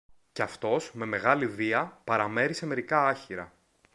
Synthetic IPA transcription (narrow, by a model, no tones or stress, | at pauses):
ceɐft̪o̞sme̞me̞ɣɐliviɐpɐɾɐme̞ɾise̞me̞ɾikɐɐçiɾɐ̰